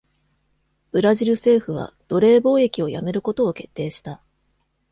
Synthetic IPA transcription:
b̥ɯ̟ɾaʑiɾɯ̟se̞ːɸɯ̟β̞a̰d̪̥o̞ɾe̞ːbo̞ːe̞kʲio̞ja̰me̞ɾɯ̟ko̞t̪o̞ːke̞t̪ːe̞ːɕi̥t̪a

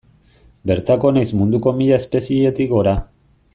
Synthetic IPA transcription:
be̞ɾt̪ako̞najzmund̪uko̞miʎaespe̞sie̞t̪ikɡo̞ɾa

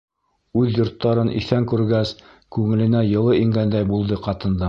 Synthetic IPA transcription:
ʉðjŏɾt̪ːɑɾɤnʔḭθæŋkʉɾɡæs | kʉŋɘ̆lɘ̆næjɤ̆lˠɤiŋɡænd̪æjbulˠd̪ɤqɑt̪ɤ̆nd̪ɑ

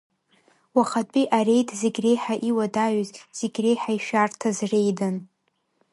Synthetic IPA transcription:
waχatʼiʔare̞jtʰʼzeɡʲre̞jħaʔiwadaɥzz̥eɡʲre̞jħaiʃᶣartʰazre̞jdɨn

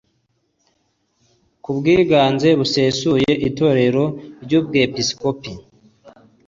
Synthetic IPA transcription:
kubɡiːɡaːnze̞βuseːsuje̞ʔito̞ɾe̞ɾo̞ɾɟuːb̚ɡepisko̞pi

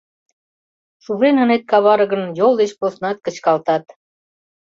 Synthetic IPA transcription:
ʃuβɾenə̆net̪̚kɑβɑɾəɣə̆njolˠd̪et͡ɕposnɑt̪̚kə̆t͡ɕkɑlt̪ɑt̪

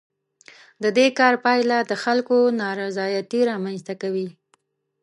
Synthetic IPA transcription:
d̪əd̪ekɑɾpɑjlad̪əxalkonɑɾazɑjat̪iɾɑmanst̪akawi

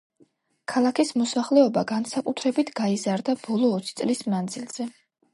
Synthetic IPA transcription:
kʰalˠakʰismɔsaχlɛɔbaɡansakʼut̪ʰɾɛbit̪ʰɡ̥aizaɾd̪ab̥ɔlˠɔːt̪sʰi̥t̪sʼlismnand̪zilˠz̥ɛ

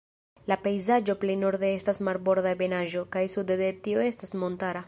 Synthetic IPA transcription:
lapejzad͡ʒo̞plejno̞ɾd̪e̞estasmaɾbo̞ɾdabe̞naʒo̞kajsud̪ed̪etio̞e̞stasmo̞ntaɾa

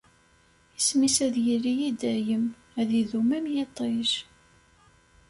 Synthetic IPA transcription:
əsmisæðjiɾijid̪æjəm | æðiðumæmjet̪ˤːɪʃ

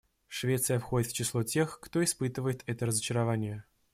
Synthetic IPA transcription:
ʂvʲet̪sɨjəfxo̞dʲɪt̪ft͡ɕɪslˠotʲe̞xkt̪o̞ɪspɨt̪ɨvəjɪt̪ɛt̪əɾəzət͡ɕɪɾɐvanʲɪjə

